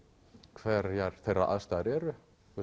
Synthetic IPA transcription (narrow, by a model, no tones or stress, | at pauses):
kʰvɛɾjaɾ̥θejrːa̰ʔa̰ðst̪aɾɛɾʏ